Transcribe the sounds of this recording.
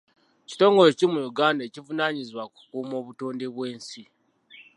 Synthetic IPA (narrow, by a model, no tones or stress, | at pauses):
ci̥to̞ːŋɡo̞lo̞cimujuɡaːndacivunaːɲizwaku̥kuːmo̞ːβuto̞ːnde̞βwe̞ːnsi